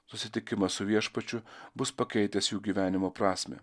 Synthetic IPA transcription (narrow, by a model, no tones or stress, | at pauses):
sʊsʲɪt̪ʲɪkʲɪmɐssʊʋʲiɛʃpɐt͡ʃʲʊbʊspɐkʲɛɪt̪ʲɛsjuːɡʲiːʋʲæːnʲɪmoːpɾɑːsʲmʲḛː